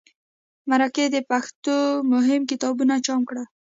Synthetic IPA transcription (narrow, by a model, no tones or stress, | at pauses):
maɾaked̪əpaxt̪omʊɦɪmkɪt̪ɑbunat͡ʃɑmkɽa